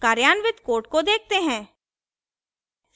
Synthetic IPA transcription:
kaːɾjaːnʋɪt̪koːɾʈ̚kod̪eːk̚t̪eɦɛ̃ː

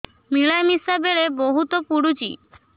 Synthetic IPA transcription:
miɭajmisabeɭeboɦut̪opuɽut͡ʃḭ

